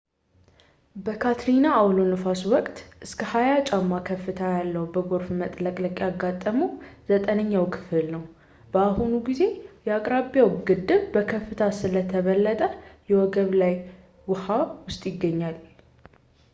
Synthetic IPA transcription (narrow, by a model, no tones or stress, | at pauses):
bəkʰat̪ʰɾinaːwlonɨfaswɔkʼt̪ʔɨskʰəhajat͡ʃʼamːakʰəfːɨt̪ʰajalːəhubəɡo̞ɾfmət̪ʼləkʼləkʼjaɡːat̪ʼːəmuz̥ət̪ʼənəɲːawkʰɨ̥fɨlnəw | b̥əaɦunuɡize̞jɛakʼɾaβijawɡɨd̪ːɨβbəkʰəfːɨt̪ʰasɨlət̪ʰəβəlːət̪ʼəjɛwɔɡəβlaj | wʊhawʊst̪ʼjɪɡːəɲːal